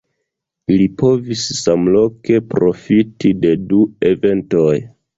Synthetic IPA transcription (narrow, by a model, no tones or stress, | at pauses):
lipo̞vissamlo̞ke̞pɾo̞fitide̞due̞ve̞nto̞j